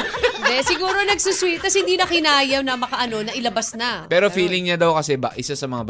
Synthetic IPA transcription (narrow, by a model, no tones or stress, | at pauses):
ɪnd̪ɛsɪɡuːɾonɐɡsuswit̪̚kːɐshɪnd̪iːnɐkɪnaːjɐwnɐmɐkɐʔɐno̞nɐʔɪlɐbasnapɛːɾofiːlɪŋɲɐd̪ɐwkɐsɛbɐ̰ʔɪsasɐmɐŋab